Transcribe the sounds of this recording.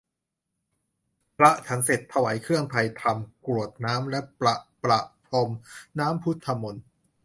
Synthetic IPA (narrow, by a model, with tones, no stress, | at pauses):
pʰɾa˦˥ʔt͡ɕʰa˦ŋse˨˩t̪ʰːa˧waː˩˦jkʰɯ˥˩əŋp̪ʰa˧jt̪ʰa˧mkɾu˨˩ət̪̚naː˦˥mlɛ˦˥ʔpla˨˩ʔpɾa˨˩ʔpʰo˧mnaː˦˥mpʰu˦˥t̪ʰːa˧mo˧n